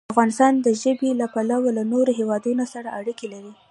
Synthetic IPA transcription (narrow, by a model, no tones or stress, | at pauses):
afɣɑnɪst̪ɑnd̪əʒəbelapalawolanoɾoɦewɑd̪unosaɾaʔaɽikelaɾi